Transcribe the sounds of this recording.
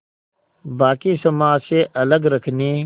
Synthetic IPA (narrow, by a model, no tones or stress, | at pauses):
baːkisɐmaːseʔɐləɡɾɐkʰniː